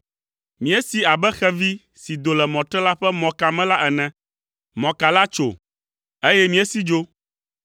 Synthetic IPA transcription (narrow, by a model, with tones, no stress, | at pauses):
mĩ˨˦ɛ˦si˨a˨bɛ˦xɛ˦vi˦ | si˨d̪o˨lɛ˨mɔ̃˨t̪ɾɛ˦la˦ɸɛ˦mɔ̃˨ka˨mɛ̃˦la˦ʔɛ˨nɛ̃˨ | mɔ̃˨ka˨la˦t͡ʃo̰˨ | e˦jɛ˦mĩ˨ɛ˦si˦d͡ʒo˦